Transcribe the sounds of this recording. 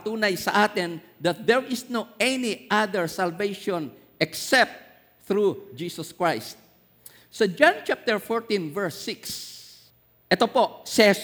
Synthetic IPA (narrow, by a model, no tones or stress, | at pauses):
t̪uːnajsɐʔaːt̪ɛn | d̪ɐt̪̚d̪ɛɹʔɪsnoɛniʔad̪ɛɹsalvejʃõn | ɛksɛp̚t̪̚ | θɹud͡ʒiːsɔskɹajst̪̚ | sod͡ʒãnt͡ʃap̚t̪ɛɹfɔɹt̪ĩnvɛɹsːɪks | ʔɛt̪oposɛ